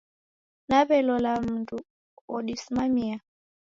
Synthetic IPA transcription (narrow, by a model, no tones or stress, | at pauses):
naβɛlɔlam̩tu | ɔɗisimamia